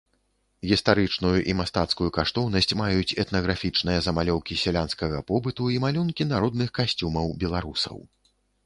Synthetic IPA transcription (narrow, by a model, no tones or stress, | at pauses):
ɣʲist̪aɾɨt͡ʂnujuʔimast̪at̪skujukaʂt̪ɔwnɐsʲt͡sʲmajut͡sʲɛt̪nɐɣɾafʲit͡ʂnɨjɐzɐmalʲɔwkʲisʲɛlʲanskɐɣɐpɔbɨt̪uimalʲunkʲinaɾɔd̪̚nɨxkasʲt͡sʲumɐwbʲɛlˠaɾusɐ̰w